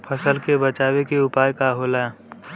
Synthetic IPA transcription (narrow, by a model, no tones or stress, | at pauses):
pʰəsəlkebət͡ʃaːwekeʊpaːjkaɦoːla